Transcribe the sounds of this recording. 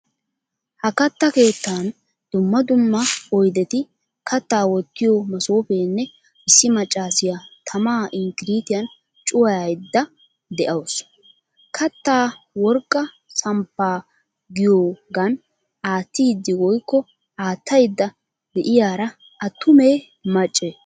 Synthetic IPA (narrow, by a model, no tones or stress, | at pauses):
hɐkɐt̪ːɐke̞ːt̪ːaːn | d̪̥ʊmːɐd̪ʊmːɐɔjd̪ɛt̪ɪ | kʰɐt̪ːaːwɔt̪ːɪjomɐsoːfeːnːɛ | ɪsːɪmɐt͡ʃʼːaːsɪjat̪ʰɐmaːʔɪŋkɪɾiːt̪ɪjɐn | t͡ʃʼʊwɐjajd̪ːɐ | d̪ɛʔɐws | kʰɐt̪ːaːwɔɾkʼːɐ | sɐmpːaː | ɡɪjoːɡɐn | aːt̪ːɪjd̪ːɪɡɔjkːɔ | aːt̪ʰːɐjd̪ːɐ | d̪ɛʔɪjaːɾɐ | ʔɐt̪ːʊmeː | mɐt͡ʃʼːe